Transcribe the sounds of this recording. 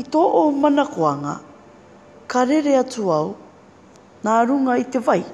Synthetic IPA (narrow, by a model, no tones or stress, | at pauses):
itoːʔowmanakoaŋɐ̰ | kaɾeɾe̞atuɐw | naːɾuŋɐit̪e̞vaj